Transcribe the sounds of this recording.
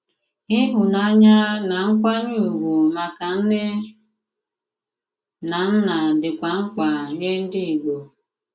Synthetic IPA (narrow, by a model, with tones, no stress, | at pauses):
i˦ɦu˨na˦ɲa˦na˨ŋ̩˦kʷa˦ɲu˦˨ɡu˨ma˨ka˨n̩˦dɪ˦ | na˨n̩˦na˨dɪ˨kʷa˨ŋ̩˦kʷa˨ɲe˦n̩˦dɪ˦i˨ɡ͡bo˨